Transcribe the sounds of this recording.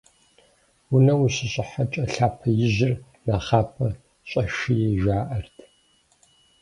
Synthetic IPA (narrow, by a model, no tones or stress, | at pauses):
wʊnɐwuɕɪɕʼɪħat͡ʃʼɐɬaːpʰɐjɪʑɪr | naːχaːpʰɐ | ɕʼɐʃijʒaːʔɐrtʰ